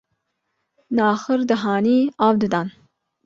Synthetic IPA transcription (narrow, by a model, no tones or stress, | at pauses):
nɑːxɨɾd̪ɨɦɑːniːɑːwd̪ɨd̪ɑn